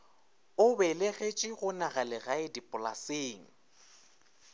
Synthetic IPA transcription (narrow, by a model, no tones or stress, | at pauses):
ʊbɛleɣet͡ʃʼɪɣʊnaɣalɪɣaɪdipʼʊla̰seːŋ̩